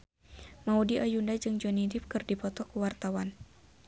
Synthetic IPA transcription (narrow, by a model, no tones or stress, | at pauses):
maudiʔajundad͡ʒɨŋd͡ʒɔnidip̚kɨrdipɔt̪ɔkuwart̪awan